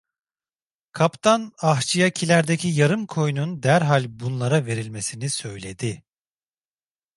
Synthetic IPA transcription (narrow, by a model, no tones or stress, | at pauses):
kʰapt̪ʰanaɦt͡ʃʰijacʰilʲæɾd̪e̞cʰijaɾɯmkʰo̞jnund̪æɾɦalʲbunlˠaɾave̞ɾilʲme̞sinisø̞jlʲe̞d̪ɪ